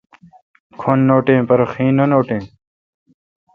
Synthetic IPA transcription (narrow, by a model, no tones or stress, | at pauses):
kʰonːoːʈẽːpɐɾoxĩːnonoːʈẽː